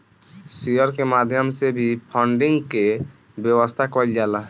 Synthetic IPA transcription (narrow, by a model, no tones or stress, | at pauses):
sijəɾkemad̪ʱjəmsebʱipʰəɳɖiŋɡke | bjəwəst̪ʰakɔld͡ʒala